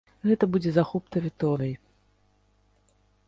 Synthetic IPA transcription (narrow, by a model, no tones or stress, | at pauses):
ɣɛt̪ɐbud͡zʲɛzaxup̚t̪ɐvʲit̪ɔɾʲɨj